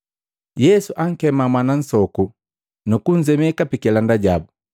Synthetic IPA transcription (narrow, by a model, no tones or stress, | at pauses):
jɛsuʔaŋ̩kɛmamanan̩sɔku | nukun̩zɛmɛkapikɛlandaɟabu